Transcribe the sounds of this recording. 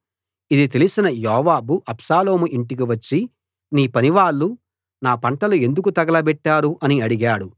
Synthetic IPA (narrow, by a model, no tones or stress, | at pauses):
id̪it̪elisinɐjɔːʋaːbuʔɐpʂaːlo̞ːmuʔiɳʈik̬iʋɐt͡ʃːi | niːpɐniʋaːɭːu | naːpɐɳʈɐlue̞nd̪uk̬ut̪ɐɡɐlɐbɛʈːaːɾuʔɐniɐɽiɡaːɽu